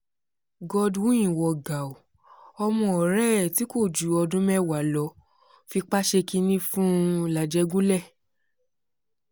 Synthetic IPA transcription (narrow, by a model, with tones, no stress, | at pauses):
ɡɔ˧dwũ˦j̃ĩ˨wɔ˨ɡa˨u˨ | ɔ˧mɔ̃˧ɔ˨ɾɛ˦˨ti˨˦ko˦˨d͡ʒu˨˦ɔ˧dũ˦mɛ̃˦˨wa˨˦lɔ˨˦ | fi˧k͡pa˦ʃe˧ki˧nĩ˦fũ˦la˨d͡ʒɛ˧ɡũ˦lɛ˦˨